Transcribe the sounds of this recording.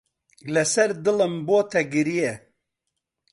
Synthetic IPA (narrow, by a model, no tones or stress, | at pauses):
lɛsɐɾd̪ɨlɨmboːt̪ʰɛɡɨɾijɛ